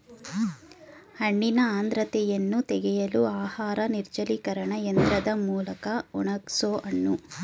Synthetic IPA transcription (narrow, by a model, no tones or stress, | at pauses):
hɐɳːinɐaːnd̪ɾɐt̪ɛjɐnːut̪ɛɡɛjɐluaːhaːɾɐniɾt͡ʃɐlikɐɾɐɳɐend̪ɾɐd̪ɐmuːlɐkɐuɳɐksoːʔɐɳːu